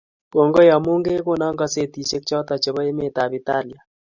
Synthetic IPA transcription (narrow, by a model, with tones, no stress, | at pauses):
ko˨ŋɡo˦ja˨mu˦ŋɡe˦ko˦na˦ŋɡa˨se˦˨ti˨t͡ʃe˦kt͡ʃɔ˦ta˨t͡ʃe˨βɔ˦e˦me˦ta˨bi˨ta˦ni˨a˨